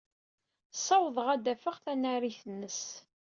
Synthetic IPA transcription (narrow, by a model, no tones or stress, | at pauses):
sˤːɑwðˤəʁæd̪æfəʁθænaɾiθənːəs